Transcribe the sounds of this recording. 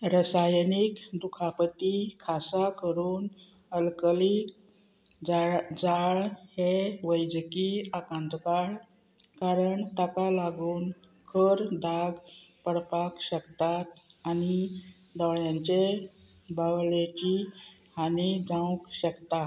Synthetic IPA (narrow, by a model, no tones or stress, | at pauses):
ɾəsajnikd̪ukʰapət̪ikʰasakəɾuːn | əlkəli | d͡zaɭheʋəjd͡ʑkiakãnt̪kaɭ | kaɾəɳt̪akalaɡuːn | kʰəɾd̪ʱaɡpəɽpakɕəkt̪at̪ani | d̪ɔɭjãɲt͡ɕe | baʋlet͡ɕihanid͡zãwkɕəkt̪a